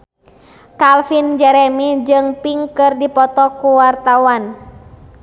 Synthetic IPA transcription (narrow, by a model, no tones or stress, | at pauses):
kalfind͡ʒɛɾɛmid͡ʒɨŋpiŋkɨrdipɔt̪ɔkuwart̪awan